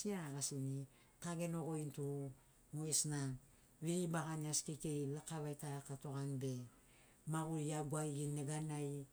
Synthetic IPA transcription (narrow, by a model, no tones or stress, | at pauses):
siaɾaɡasini | taɡe̞noɡointu | moesna | βiɾibaɡaniaskikejlakaβajtaakatoɣanbe̞ | maɡuɾiaɡwaiɡinːeɡanaj